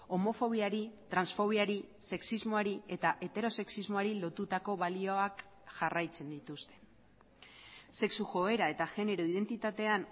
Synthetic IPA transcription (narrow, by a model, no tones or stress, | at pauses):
o̞mo̞fo̞β̞iaɾit̪ɾansfo̞β̞iaɾise̞ksizmo̞aɾie̞t̪aʔe̞t̪e̞ɾo̞se̞ksizmo̞aɾilo̞t̪ut̪ako̞βalio̞ak | ʝarajt͡se̞nd̪it̪ust̪e̞̥ | se̞ksuxo̞e̞ɾae̞t̪aʝe̞ne̞ɾo̞iðe̞nt̪it̪at̪e̞an